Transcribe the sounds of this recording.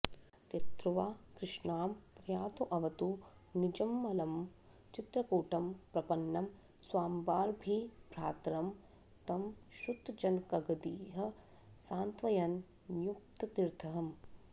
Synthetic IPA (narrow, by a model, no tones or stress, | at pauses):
t̪ɐt̪ɾuʋaːkɾɪʂnaːmpɾɐjaːt̪oʔɐʋɐt̪unid͡ʒɐmːɐlɐm | t͡ʃit̪ɾɐkuːʈɐmpɾɐpɐnːɐm | swaːmbaːɾbʱibɾaːt̪ɾɐm | t̪ɐmʃut̪d͡ʒɐnkɐɡɐd̪iːɦɐ | saːnt̪ʋɐjɐnː | juk̚t̪ɐt̪iɾt̪ʰɐɦɐm